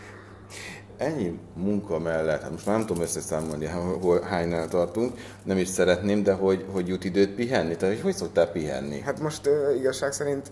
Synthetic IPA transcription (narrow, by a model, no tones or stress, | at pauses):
ɛɲːimuŋkɒmɛlːɛt̪hat̪moʃtmaːrnɛmt̪ud̪omøsːɛsaːmo̞lniɦolɦaːɲnaːlt̪ɒrt̪uŋk | nɛmiʃsɛɾɛt̪neːmd̪ɛɦo̞ɟɦo̞ɟjut̪id̪øːt̪̚piɦɛnːit̪aːt̪ːocho̞cso̞k̚t̪aːpiɦɛ̰nːḭhat̪mo̞ʃt̪øːiɡɒʃːaːksɛɾint̪